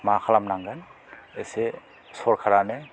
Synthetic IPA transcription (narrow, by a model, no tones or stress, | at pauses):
maakʰalamnaŋɡanese | sɔɾkʰaɾane